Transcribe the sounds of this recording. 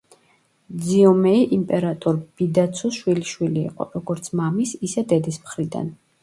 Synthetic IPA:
d̪ziɔmɛiʔimpʼɛɾat̪ʼɔɾb̥id̪at̪sʰuʃwiliʃwilḭːqʼɔ̰ɾɔɡɔɾt̪sʰmamisisɛd̪ɛd̪ismχɾid̪a̰n

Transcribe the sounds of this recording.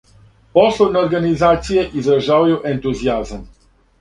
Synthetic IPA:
pɔsonoɾɡanizat̪sieʔizəʒawjoʔent̪uziazm

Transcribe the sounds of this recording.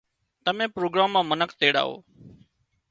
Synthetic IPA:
t̪əmẽːpɾoːɡɾaːmːãːmənəkʰt̪eːɽa̰ːɦo̰ː

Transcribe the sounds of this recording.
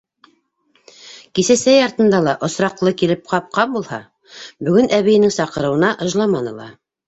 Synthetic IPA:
kisæsæjɑɾt̪ɤ̆nd̪ɑlˠɑʔŏsɾɑqlˠɤkilɘp̚qɑp̚qɑmbulˠhɑ | bɵ̆ɡɵnæβijɘ̆nɘŋsɑqɤ̆ɾɤ̆wɤ̆nɑʔɤ̆ʒlˠɑmɑnɤ̆lˠɑ̰

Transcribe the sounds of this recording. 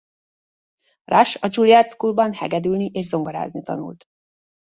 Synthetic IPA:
rʔaʃɒd͡ʒuljaːrt̪skulbɒnhɛ̰ɡɛd̪ylniʔeːʒzo̞mɡoɾa̰ːznit̪ɒ̰nṵlt̪

